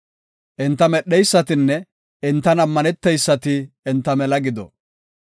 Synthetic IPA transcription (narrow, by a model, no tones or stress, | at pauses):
ʔɪnt̪ːɐmɛɗːɛjsːɐt̪ɪnːɛ | ɪnt̪ːɐnɐmːɐnɛt̪ːɛjsːɐt̪ɪːnt̪ːɐmɛlɐɡɪd̪ɔ̰